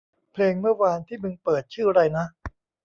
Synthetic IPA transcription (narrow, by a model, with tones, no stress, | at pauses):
pʰleː˧ŋmɯ˥˩ɐwaː˧nt̪ʰiː˥˩nɯ˧ŋpɤː˨˩t̪̚t͡ɕʰɯː˥˩ɾa˧jna˦˥ʔ